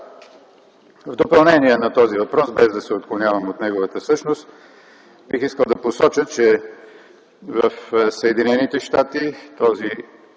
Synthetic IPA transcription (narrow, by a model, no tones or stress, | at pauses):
vd̪opɐlˠnɛniɛnɐt̪ɔzivɐpɾɔsbɛzd̪ɐsɛot̪klˠonʲjavəmot̪nɛɡovət̪əsɤʃnost̪ | bixiskəlˠd̪ɐposɔt͡ʃət̪̚t͡ʃɛ | vəfsəɛd̪inɛnit̪ɛʃt̪at̪it̪ɔzi